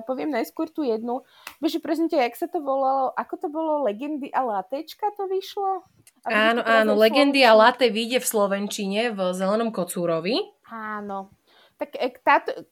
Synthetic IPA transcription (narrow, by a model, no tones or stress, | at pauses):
pɔʋɪɛmnajskʊɔɾt̪uːjɛd̪nu | bɛʒɛpɾɛzmɛcɛaksat̪ɔʋɔlalɔʔakɔt̪ɔbɔlɔlɛɡɛnd̪iʔalat̪ɛt͡ʃkat̪ɔʋiʃlɔ | abaːnɔʔanɔlɛɡɛnd̪ialat̪ɛʋiɟɛfslɔʋɛnt͡ʃiɲɛvzɛlɛnɔmkɔt͡suːɾɔʋi | aːnɔ | t̪akɛkt̪aːt̪ɔ